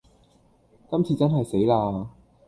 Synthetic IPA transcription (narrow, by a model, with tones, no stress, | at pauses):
kɐ˥mt͡sʰiː˨˧t͡sɐ˥nɦɐ˨jse˨˥jlaː˧